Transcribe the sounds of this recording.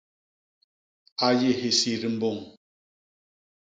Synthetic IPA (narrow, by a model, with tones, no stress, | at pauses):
a˨je˦˨ɦe˨si˨ɾi˨m̩˦bo˦˨ŋ